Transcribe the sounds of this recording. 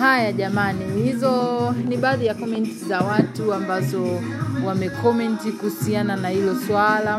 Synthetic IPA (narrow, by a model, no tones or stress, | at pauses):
hajaʄamanihizɔniɓaːðijakɔmɛntizawatuambazɔ | wamɛkɔmɛntikuhusiananahilɔswala